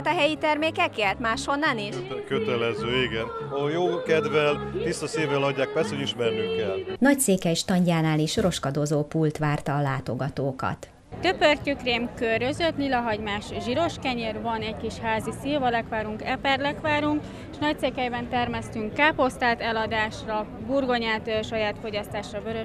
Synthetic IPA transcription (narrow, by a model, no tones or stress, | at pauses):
t̪ɛɦɛjit̪ɛrmeːkɛkeːrt̪maːʃho̞nːaniʃkøt̪ɛlɛzøːiɡɛnjoːkɛd̪vɛlt̪ist̪ːɒseːvɛlɒɟːaːkpɛst̪hoɟiʃmɛrniŋkɛlnɒc̚seːkɛjʃt̪ɒɲɟaːnaːleːʃro̞ʃkɒd̪ozoːpult̪ʋaːrt̪ɒːlaːt̪o̞ɡɒt̪oːkɒ̰t̪ | t̪øpørcykreːmkøɾøzøt̪lilɒɦɒɟmaːʃʒiɾo̞ʃkɛɲeːrvɒnɛckiʃhaːzisiːvɒlɛkʋaːɾuŋkɛpɛrlɛkʋaːɾuŋk | eʃnɒc̚seːkhɛjbɛnt̪ɛrmɛst̪yŋkːaːpo̞st̪aːt̪ɛlɒd̪aːʃrɒ | burɡo̞ɲaːt̪ːʃɒjaːt̪fo̞ɟɒst̪aːʃrɒbøɾø